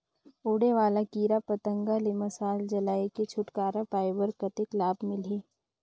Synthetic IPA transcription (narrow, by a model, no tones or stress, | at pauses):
uːɽeʋaːlakiːɾapɐt̪ə̃ŋɡalemɐsaːld͡ʒɐlaːeket͡ʃʰʊʈkaːɾapaːɪbəɾkɐt̪ɪklaːbmɪleː